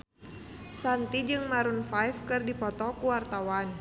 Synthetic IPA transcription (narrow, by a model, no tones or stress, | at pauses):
sant̪id͡ʒɨŋmaɾunfajfkɨrdipɔt̪ɔkuwart̪awan